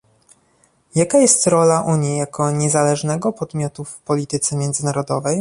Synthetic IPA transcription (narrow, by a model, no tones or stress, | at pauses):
jakajɛst̪ɾɔlaʔuɲjijakʰɔɲɛzalɛʐnɛɡɔpɔd̪mʲjɔt̪ufpɔlʲit̪ɘt̪sɛmʲjɛnd̪zɘnaɾɔd̪ɔvɛj